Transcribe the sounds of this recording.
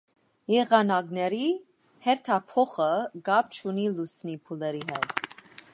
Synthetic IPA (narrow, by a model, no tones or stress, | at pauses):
jɛʁɑnɑknɛɾi | hɛɾt̪ʰɑpʰɔχəɡɑp̚t͡ʃʰunilusnipʰulɛɾiɦɛd̪